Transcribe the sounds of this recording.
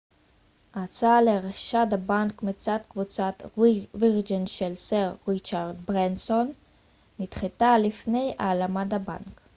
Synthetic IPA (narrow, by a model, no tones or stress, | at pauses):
ʔat͡saleʁaʃad̪abankmet͡sad̪kvut͡sat̪viʁd͡ʒinʃelseʁːit͡ʃaʁd̪bʁensonː | it̪χet̪alifne̞ja̰ːlamadaba̰nk